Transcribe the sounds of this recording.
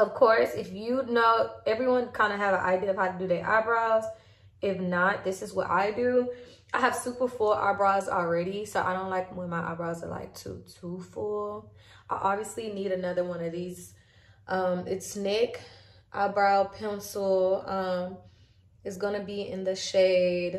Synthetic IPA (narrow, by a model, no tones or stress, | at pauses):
ʌv̥kʰɔɹsɨfjɨdⁿnoʊɛvɹiwʌ̃nkʰãɪ̃ndɨːvənʔa̰ɪdiɨʌv̥haʊɾɨdɨðɨʔa̰ɪbɹaɪz̥ | ɪfnət̚ðɪsɨzwʌ̰ɾʔa̰ɪdʉ | ʔaɪɨv̥supə˞fulˠʔa̰ɪbɹaɪlˠzl̩ˠɹɛɾisoʊʔa̰ɪɾõʊ̃nʔlaɪk̚mə̃maɪʔa̰ɪbɹaɪzə̰la̰ɪk̚tʰṵtʰufulˠ | ʔaɪʔɑbviɨsliniɾɨnʌðə˞wʌ̃nʌvðiz̥ | ʔʌ̃mɪtsnɪk | ʔa̰bɹaʊpʰɛ̃nsl̩ˠʌ̃m | ɨtzɡʌnɨbiɪ̰̃nðɨʃeɪd̥